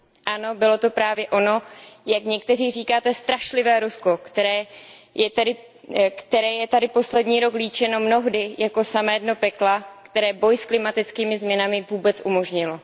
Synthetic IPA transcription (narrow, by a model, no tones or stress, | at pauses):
ʔano̞bɪlo̞t̪o̞pɾaːvjɛʔo̞no̞jakɲɛk̚t̪ɛr̝iːriːkaːt̪ɛst̪ɾaʃlɪvɛːɾusko̞kt̪ɛɾɛːjɛt̪ɛdɪ | kt̪ɛɾɛːjɛt̪adɪpo̞slɛdɲiːɾo̞kliːt͡ʃɛno̞mno̞ɦdɪjako̞samɛːdno̞pɛklakt̪ɛɾɛːbo̞jsklɪmat̪ɪt͡skiːmɪzmɲɛnamɪvuːbɛt͡sʔumo̞ʒɲɪlo̞